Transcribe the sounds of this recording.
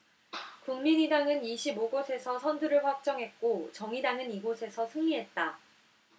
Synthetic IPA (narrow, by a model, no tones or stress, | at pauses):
kuŋmiɲidaŋɯniɕʰiboɡosʰe̞sʰʌsʰʌnduɾɯɭɸwak̚t͡ɕ͈ʌŋɦe̞t̚k͈ot͡ɕʌŋidaŋɯniɡosʰe̞sʰʌsʰɯŋiɦe̞t̚t͈a